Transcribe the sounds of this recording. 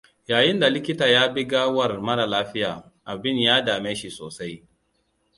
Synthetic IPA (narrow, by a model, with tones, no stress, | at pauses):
jaː˨jɪ˦nda˨lɪ˦kʲɪ˦taː˨jaː˦bɪ˦ɡaː˦wɐ˦˨rmɐ˦na˨laː˦ɸɪ˦jaː˨ | ʔa˨bɪ˦njaː˦daː˨meː˦ʃi˨soː˨sa˦j